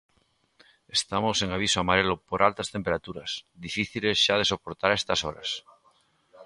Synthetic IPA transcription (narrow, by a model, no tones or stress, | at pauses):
est̪amoseŋaβ̞isoamaɾelopoɾʔalt̪ast̪empeɾat̪uɾasðifiθilezʃað̞esopoɾt̪aɾest̪asoɾa̰s